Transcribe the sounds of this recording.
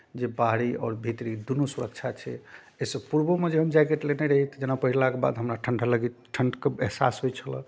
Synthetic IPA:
d͡ʒebaɦɽiɔːɾbʱit̪ɾid̪unusuɾək̚t͡ʃʰat͡ʃʰɛ̰ | esəpuɾbomed͡ʒeɦəmd͡ʒajkeʈleneɾəɦit̪d͡ʒenapəɦiɾlakeba̰d̪ɦəmɾaʈʰəɳɖʱələɡiʈʰəɳɖkeeɦsa̰sɦojt͡ʃʰələ̰̃

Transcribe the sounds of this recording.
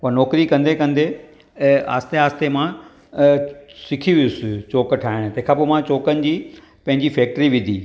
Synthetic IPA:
anɔːkɾikɐ̃nd̪ʱekɐ̃nd̪e | a̰ːst̪eaːst̪emã | sɪkʰiʋijʊsɪt͡ɕoːkʈʰaːɪɽ̃t̪ɐ̃ɦɪ̃kʰãːpomãt͡ɕoːkənɪ̆d͡ʑiː | pɐ̃ɦɪ̃ɲd͡ʑifɛːk̚ʈɾiʋɪd̪ʱḭː

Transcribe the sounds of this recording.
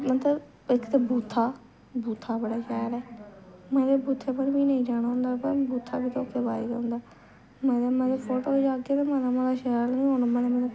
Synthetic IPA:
mət̪lə | ɪkt̪ebuːt̪ʰːaː | buːt̪ʰːaːbəɽaːʃɛːɾɛːmɛ̃ːd̪eːbuːt̪ʰːeːpənbiːnəĩːd͡ʒaːɽ̃ãːɦʊ̃ːnd̪aːpəɾbuːt̪ʰːaːbiːt̪ooːkʰːeːbaːḭːɡaʊ̃nd̪aː | mɛ̃ːd̪aːmɛ̃ːd̪epʰoːʈoːd͡ʒaːɡeːt̪ẽːmɛ̃ːd̪aːmɛ̃ːlaːʃɛːlnĩːɦoːnomɛ̃ːnemɛ̃ːe

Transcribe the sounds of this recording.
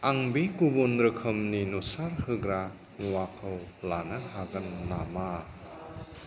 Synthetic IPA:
aŋbikubunɾɯkʰɯmninusaɾhɯɡɾa | ŋwakʰəwlanaɦaɡɐnːama

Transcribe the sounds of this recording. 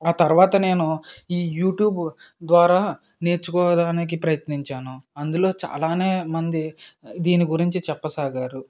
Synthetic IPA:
aːt̪ɐɾʋaːt̪ɐne̞ːnuiːjuːʈjuːbd̪ʋaːɾaː | ne̞ːɾt͡ʃukɔːɐd̪aːnik̬ipɾɐjɐt̪niɲt͡ʃaːnuɐnd̪ulo̞ːt͡ʃa̰ːlaːne̞ːmɐnd̪id̪iːniɡuɾiɲt͡ʃit͡ʃɛpːɐsaːɡaːɾu

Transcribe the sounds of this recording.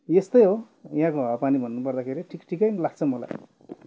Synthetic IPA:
jest̪ʌjɦo | jɦãkoɦapanibʱʌnːupʌrd̪akʰeɾiʈʰikʈʰikʌjnlaɡ̚t͡sʰʌmʌla̰j

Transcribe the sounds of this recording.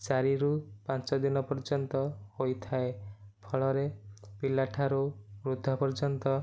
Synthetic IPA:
t͡ʃaɾiɾupãnt͡ʃɔd̪inɔpɔɾd͡ʒɔnt̪ɔhojt̪ʰaepʰɔɭɔɾepilːaʈʰaɾuɾud̪ʱːapɔɾd͡ʒɔnt̪ɔ

